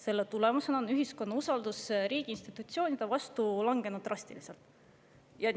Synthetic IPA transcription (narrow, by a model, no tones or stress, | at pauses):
se̞lːet̪ulemuse̞nɑonyɦisko̞nːɑusɑld̪usɾiːɡ̥iinst̪it̪ːˑut̪ʲsio̞ːnʲid̪evɑst̪ulɑŋɡ̥e̞nud̪ːrɑst̪ilise̞lt̪ˑ | jɑ